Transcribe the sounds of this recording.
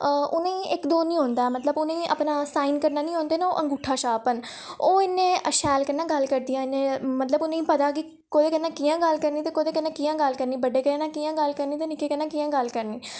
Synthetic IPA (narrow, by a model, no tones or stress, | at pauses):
ʔʊnẽːɪkd̪oːnĩːɦõːnd̪aːɛːmət̪ləbʊnẽːə̰pnãːsaːiːnkəɾnaːnĩːɦõːnd̪eːnao̰ːʔə̃ŋɡʊʈʰːaːʃaːpən | oːɪnːẽːəʃɛːlkənːãːɡəlkəɾd̪ijãːɪnːẽːmət̪ləbʊnẽːĩːpət̪aːɡiː | koːd̪eːkənːãːkiːjãːɡəlkəɾniːt̪eːkoːd̪eːkənːãːkijãːɡəlkəɾniːbəɖeːkənãːkijãːɡəlkəɾniːt̪eːnɪkeːkənːãːkiːãːɡəlkəɾniː